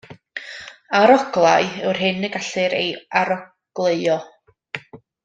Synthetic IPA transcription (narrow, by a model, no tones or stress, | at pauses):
aɾɔɡlˠajɪwr̥ɦɪnəɡaɬɨɾḛjaɾɔ | ɡ̥lˠejɔ